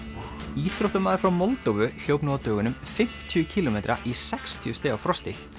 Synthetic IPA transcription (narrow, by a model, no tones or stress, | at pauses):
iːθɾowht̪amaːðɪfɾawmɔlt̪owvʏl̥jowpnɔːðat̪œːɣʏnʏmfɪm̥t̪ʰʏʏcʰilɔmejt̪ɾa̰ʔisɛkst̪ʰjʏst̪ɛːɣawfɾɔst̪ɪ